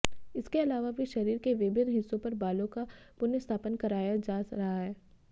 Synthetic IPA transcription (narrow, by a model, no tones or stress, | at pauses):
ɪskeɐlaːʋabʱiʃɐɾiːɾkeʋɪbɪnɦɪsːõpɐɾbaːlõkapʊnɪst̪ʰaːpənkɐɾaːjad͡ʒaːɾɐɦaɦɛː